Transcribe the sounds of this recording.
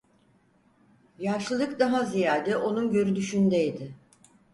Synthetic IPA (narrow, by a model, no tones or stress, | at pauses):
jaʃlˠɯlˠɯkd̪aɦazijaːd̪ɛʔo̞nunɟø̞ɾyd̪yʃynd̪eid̪ɪ